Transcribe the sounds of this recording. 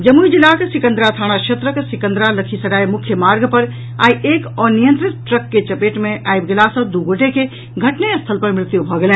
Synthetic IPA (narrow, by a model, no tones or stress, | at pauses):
d͡ʒəmuid͡ʒilːakesɪkə̃nd̪ɾat̪ʰaːɽ̃aʃʰet̪ɾəksɪkə̃nd̪ɾaləkʰisɐɽaːemʊkʰjəmaːɾɡpəɾ | a̰ːiʔeːkɔːnijə̃nt̪ɾɪt̪̚ʈɾəkːet͡ʃɐpeːʈmẽʔaːibɡelasɐ̃d̪uɡoʈeke | ɡʱɐʈnest̪ʰəlpəɾmɾɪt̪jubʱɔɡelẽː